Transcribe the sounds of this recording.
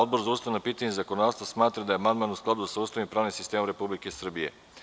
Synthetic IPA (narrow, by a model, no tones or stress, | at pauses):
od̪̚bo̞ɾzaust̪aʋnapiːt̪aɲezakonod̪aːst̪ʋasmaːt̪ɾad̪ajeamand̪manusklˠad̪ud̪asaust̪aʋimpɾaːʋnimsist̪emomɾe̞publikesr̩bijḛ